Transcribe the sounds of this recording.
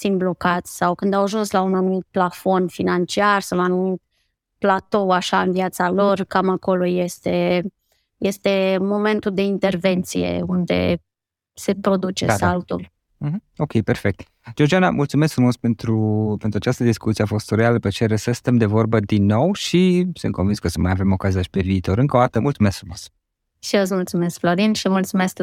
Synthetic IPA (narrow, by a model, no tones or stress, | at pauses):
t̪sinblo̞kat̪sʲsawkɨnd̪awaʒunslaunanumit̪̚plafo̞nfinant͡ʃiarsawlanumi | plat̪o̞aʃaɨnvijat̪salo̞rkamako̞lo̞jest̪e̞ | je̞st̪e̞mo̞me̞nt̪uld̪e̞int̪e̞rve̞nt̪sije̞̰und̪e̞̰ | se̞pɾo̞d̪ut͡ʃe̞̰salt̪ul̩̃ | ɦo̞kʲejperfek̚t̪ | d͡ʒord͡ʒiana̰mʔult̪sumeskfɾumo̞spe̞nt̪ɾupent̪ɾuat͡ʃast̪əd̪iskut̪sieafo̞st̪ɾealəpet͡ʃe̞ɾesəsɨ̥t̪əmd̪e̞vo̞rbəd̪inːo̞wʃisɨnt̪kovinskəsəmajave̞mo̞kazijaʃi̥pe̞viːt̪o̞ɾɨŋkod̪at̪əmult̪sumesk̪fɾumos | ʃiosmult̪sume̞skfloɾinʃimult̪sumesk